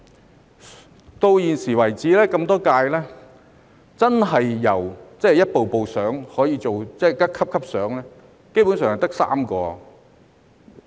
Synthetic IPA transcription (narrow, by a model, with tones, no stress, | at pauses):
t̪o˧wjiː˨nsiː˨˩wɐ˨˩jt͡siː˨˥lɛː˥kɐ˧mt̪ɔː˥kaː˧jlɛː˥ | t͡sɐ˥nɦɐ˨jːɐ˨˩wt͡sɛ˥˨jɐ˥t̚po˨wpo˨wsœː˨˥ŋhɔː˨˥jiː˧t͡so˨wt͡sɛː˥˩kɐ˥kʰɐ˥p̚kʰɐ˥p̚sœː˨˥ŋlɛː˥ | ke˥jpu˨˥ns̬œː˨ŋhɐ˨˩jt̪k̚sa̰ː˥mkɔː˧